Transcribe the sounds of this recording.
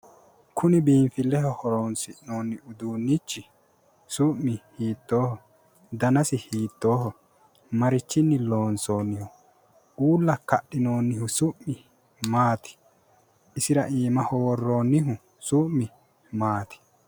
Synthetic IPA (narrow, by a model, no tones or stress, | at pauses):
kʰʊnɪbiːmfɪlːɛhɔhɔɾoːnsɪnoːnːɪʊd̪uːnːɪt͡ʃːɪ | sʊʔːɪhiːt̪ːoːhɔ | d̪ɐnɐsɪhiːt̪ːo̞ːhɔ | mɐɾɪt͡ʃːɪnːɪlo̞ːnso̞ːnːɪhʊ | uːlːɐkɐɗːɪno̞ːnːɪhʊsʊʔːɪ | maːt̪ɪ̥ː | sɪɾɐʔiːmɐhɔwɔrːo̞ːnːɪɦʊ | sʊmːɪ | maːt̪ɪ̥